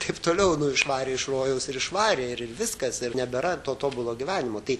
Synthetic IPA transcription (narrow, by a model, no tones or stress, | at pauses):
t̪ɐɪpt̪oːlʲɛʊnʊɪʃʋɑːɾʲeːɪʃroːjɛʊsɪɾɪʃʋɑːɾʲeːɪɾɪrʋʲɪskɐsɪrnʲɛbʲɛɾɐt̪oːt̪oːbʊlˠoːɡʲiʋʲæːnʲɪmoːt̪ɐɪ